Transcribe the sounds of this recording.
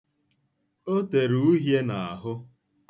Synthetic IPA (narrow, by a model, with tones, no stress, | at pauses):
o˦te˨ɾu˨u˦ɦje˦na˨a˨ɦʊ˦